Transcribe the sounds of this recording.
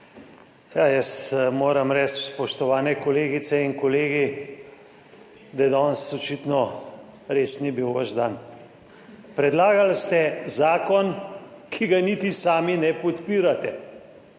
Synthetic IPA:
jajəst̪moːɾɐmɾɛt͡ʃspɔʃt̪ɔʋaːnɛkɔleːɡit̪sɛiŋkɔleːɡi | d̪ɐjɛd̪ɔnsɔt͡ʃit̪nɔ | ɾeːsnibiwʋəʒd̪an | pɾɛd̪laːɡalst̪ɛzaːkɔnkʰiɡanit̪isaːminɛpɔt̪piːɾat̪ɛ

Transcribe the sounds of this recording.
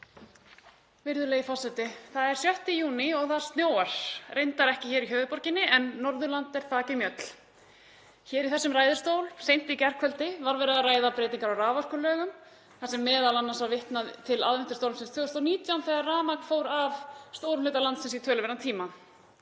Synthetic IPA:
vɪɾðʏleːjfasɛt̪ɪθaðɛɾ̥sjœht̪ɪjuːnɪɔɣθaðɾ̥st̪njoːwaɾ̥rejnt̪aɾɛhcɪçɛːɾiçœːvʏpɔɾ̥cɪnːɪʔɛnːɔɾðʏlant̪ɛɾ̥faːcɪmjœt̪l̥ | çɛːɾiθɛsːʏmraːjðɪ̥st̪oːwlsejn̥t̪icɛr̥kʰvœlt̪ɪvaɾvɛːɾɪaraːjðapɾɛːt̪iŋkaɾawraːvar̥kʏlœːɣʏm | θasɛmːɛːðalanːasvaɾvɪht̪naðt̪ʰɪla̰ðvɛnt̪ɪst̪owlmsɛnst̪fœːɣʏst̪awniːt̪jawnθɛːɣarraːmakfoːwɾavst̪oːwɾʏmleːt̪alant̪sɛnsit̪ʰœːlʏvɛɾnat̪ʰiːma

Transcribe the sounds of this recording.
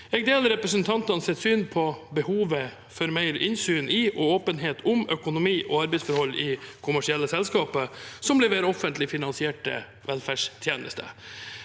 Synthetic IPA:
ɛɡ̚d̪eːləɾɛpɾəsənt̪ʰɑnt̪ɑnsɛt̪syːnpʰɔbəhuːʋə | fɔɾmæɪɾɪ̰nsyːnʔiʔɔoːpənɦeːt̪ʰʊmœkʊnʊmiːʔɔːɑɾbɛɪsfɔɾhɔlːɪkʰʊmæʂɪɛlːəsɛlskɑːpəsɔmblɛʋeːɾɔfənt̪lɪfɪnɑnsɪeːʈə̰ | ʋɛlfæʂt̪ʰjeːnə̰st̪ʰə̰

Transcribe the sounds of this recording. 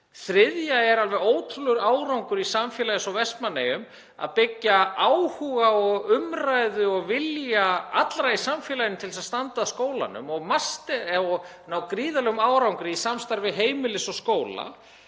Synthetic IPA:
θɾɪðjaɛɾalvɛðoːwt̪ʰʏlʏɾaːwɾawŋkʏɾisamfjɛlajɪsɔvɛst̪manːejʏm | a̰ðpɪcːaaːwhuɣaɔɣʏmrajðʏɔɣvɪljaat̪lɾaisamfɛːlajɪnɪt̪ʰɪlsaðst̪ant̪aðskoːwla̰nʏ̰mɔɣmast̪ɪɔɣnawkɾiːðalœɣʏmaːwɾawŋkɾɪisamst̪aɾvɪɦeːjmɪlɪsɔɣskoːwla̰

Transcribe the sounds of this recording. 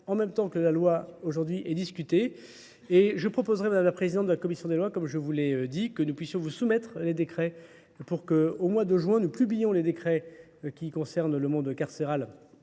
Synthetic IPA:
ɑ̃mɛmt̪ɑ̃kəlalwaoʒuʁd̪ɥiʔɛd̪iskʲyt̪e | eʒəpχɔpozʁɛmad̪amlapχezid̪ɑ̃t̪d̪əlakɔmisjɔ̃d̪elwakɔmʒəvulɛød̪ikənupɥisjɔ̃vusumɛt̪χled̪ekχɛ | puʁkəomwad̪əʒɥɛ̃nuplyblijɔ̃led̪ekχɛ | kʲikɔ̃sɛʁnləmɔ̃d̪kaʁseʁal

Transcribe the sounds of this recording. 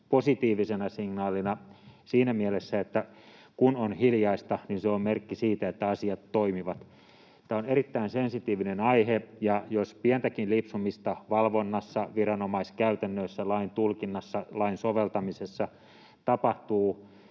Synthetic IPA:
posit̪iːʋisenɑsiŋnɑːlinɑsiːnæmielesːæet̪ːæ | kunonhiljɑist̪ɑninseommerkːisiːt̪æet̪ːæɑsiɑt̪ːoimiʋɑt̪ | t̪æoneɾit̪ːæinsensit̪iːʋinenɑihejɑjospient̪ækinlipsumist̪ɑʋɑlʋonːɑsːɑʋirɑnomɑiskæyt̪ænːøːˑsːælɑint̪ulkinːɑsːɑlɑinsoʋelt̪ɑmisesːɑ | t̪ɑpɑht̪uː

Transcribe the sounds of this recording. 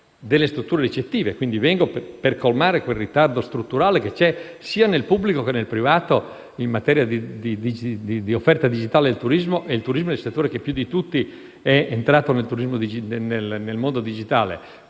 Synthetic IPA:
d̪elːest̪ɾut̪ːuːɾeɾit͡ʃet̪ːiːvekwind̪ivɛŋɡopperkolmaːɾekwelrit̪ard̪ost̪ɾut̪ːuɾaːleket͡ʃɛsiːanelpubːlikokenelpɾivaːt̪o | imːat̪ɛːɾjad̪id̪id̪iid̪id̪iofːɛrt̪ad̪id͡ʒit̪aːled̪elt̪uɾizmoʔeilt̪uɾizmod̪elset̪ːoːɾekepːjud̪it̪ut̪ːi | ɛent̪ɾaːt̪onelt̪uɾizmod̪id͡ʒinenelnelmond̪od̪id͡ʒit̪aːlḛ

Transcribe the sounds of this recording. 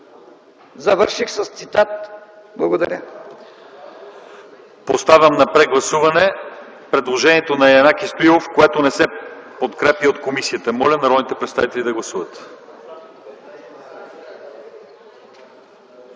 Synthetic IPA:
zɐvəɾʃixsɐst̪sit̪at̪̚ | blˠɐɡod̪ɐɾʲə | post̪avʲəmnɐpɾɛɡlˠɐsuvɐnɛ | pɾɛd̪lˠoʒɛnʲiɛt̪onɐjɐnakist̪oilˠofkoɛt̪onɛsɛpot̪kɾɛpiot̪komisiət̪əmɔlʲənɐɾɔd̪nit̪ɛpɾɛt̪st̪avit̪ɛlʲid̪ɐɡlˠɐsuvət̪

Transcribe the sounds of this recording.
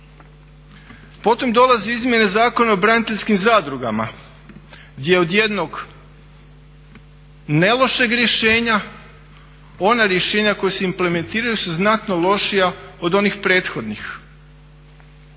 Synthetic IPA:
po̞t̪o̞md̪o̞lˠazeizmje̞nezaːko̞naobɾanit̪eʎʲskimzaːd̪ɾuɡa̰ma | ɡd̪ʲjeod̪je̞d̪no̞ɡ | ne̞lˠo̞ʃe̞ɡɾje̞ʃe̞ːɲa | o̞naɾjeʃe̞ːɲako̞jeseimple̞me̞nt̪iːɾajusuznat̪no̞lˠo̞ʃijao̞d̪o̞nixpɾe̞ːt̪xo̞d̪nix

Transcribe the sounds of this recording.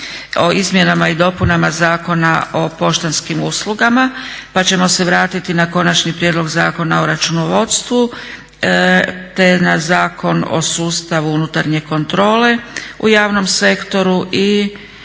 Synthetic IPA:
o̞izmje̞namaid̪o̞punamazaːko̞nao̞po̞ʃt̪anskimusluɡamapat͡ɕe̞mo̞se̞ʋɾaːt̪it̪inako̞nat͡ʃnipɾjed̪loɡzaːko̞nao̞ɾat͡ʃuno̞ʋo̞t̪st̪ʋu | t̪e̞nazaːko̞no̰suːst̪aʋuunut̪aɾɲe̞ko̞nt̪ɾo̞ːle̞ṵjaːʋno̞mse̞kt̪o̞ɾuʔi

